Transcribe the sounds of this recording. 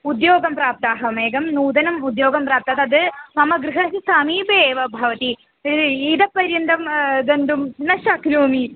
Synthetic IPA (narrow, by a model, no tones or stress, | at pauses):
ud̪joːɡɐmpɾaːp̚t̪aːɦɐmeːɡɐmnuːd̪ɐnɐmud̪joːɡɐmpɾaːp̚t̪aːt̪ɐd̪ɨmɐmɐɡɾɨɦɐsisaːmiːbeːʋɐbʱɐʋɐt̪i | id̪ɐpːɐɾjɐnd̪ɐmd̪ɐnd̪umnɐʃɐknuːmi